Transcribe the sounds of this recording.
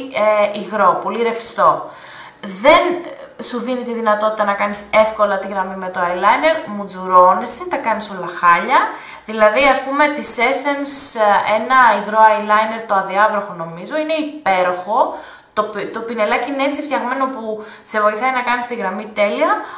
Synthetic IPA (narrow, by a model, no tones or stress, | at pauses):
iɣɾo̞po̞liɾe̞fi̥st̪o̞ | ðe̞n | suðinit̪iðinɐt̪o̞t̪i̥t̪ɐnɐkɐnise̞fko̞lɐt̪iɣɾɐmime̞t̪o̞ɐjlɐjne̞ɾmud͡zuɾo̞nesit̪ɐkɐniso̞lɐxɐʎɐ | ðilɐðiɐspume̞t̪ise̞sense̞nɐiɣɾo̞ɐjlɐjne̞ɾt̪oɐðiɐvɾoxo̞no̞mizo̞ine̞ipe̞ɾoxo̞ | t̪opt̪o̞pine̞lɐciineet͡sifçɐɣme̞no̞pu | se̞vo̞iθɐinɐkɐnist̪iɣɾɐmit̪e̞liɐ